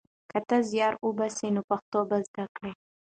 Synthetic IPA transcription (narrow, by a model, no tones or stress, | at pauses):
kat̪azjɑɾubasenopaxt̪obazd̪akɽe